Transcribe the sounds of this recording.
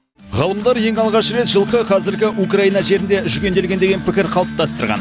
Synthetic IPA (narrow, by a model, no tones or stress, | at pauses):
ʁɑlˠəmd̪ɑɾje̞ŋɑlˠʁɑʃɾe̞t̪ʒəlˠqəqʰɑzɪɾɡʲɪʔukrɑinɑʒe̞ɾɪnd̪e̞ʏʒʏɡʲend̪e̞lɡʲe̞nd̪e̞ɡʲe̞npʰɪkʲɪɾqʰɑlˠəp̚t̪ɑst̪əɾʁɑ̰n